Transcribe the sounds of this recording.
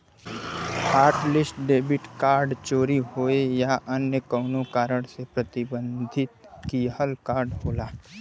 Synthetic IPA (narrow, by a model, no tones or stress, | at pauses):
haːɾʈlɪsʈɖeːbɪʈkaːɾɖt͡ʃoːɾiɦoːejaʔənjəkəʊnokaːɾəɽsepɾɐt̪ɪbə̃nd̪ʱɪt̪kihəlkaːɾɖɦoːlaː